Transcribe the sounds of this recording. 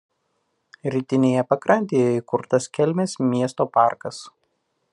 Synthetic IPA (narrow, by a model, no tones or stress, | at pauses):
ɾʲiːt̪ʲɪnʲeːjɛpɐkɾɐnʲt̪ʲejɛikʊɾt̪ɐskʲɛlʲmʲeːsmʲiɛst̪oːpɑˑɾkɐs